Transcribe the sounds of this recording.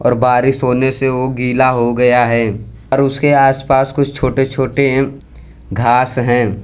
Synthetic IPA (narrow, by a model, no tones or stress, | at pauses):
ɔ̰ːɾbaːɾiʃɦoːneseʋoɡiːlaɦoɡɐjaɦɛː | ɔɾʊskeaːspaːskʊt͡ʃʰt͡ʃʰoːʈet͡ʃʰoːʈe | ɡʱaːsɦɛ̃ː